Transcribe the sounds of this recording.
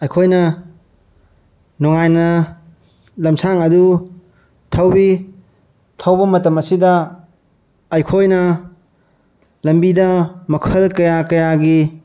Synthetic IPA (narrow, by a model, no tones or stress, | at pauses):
ɐjkʰojnɐ | nɔŋajnɐ | lɐmsaŋɐdu | tʰawbi | tʰawbɐmɐtɐmɐsidɐ | jkʰojnɐ | lɐmbidɐmɐkʰɐlkɐjakɐjaɡi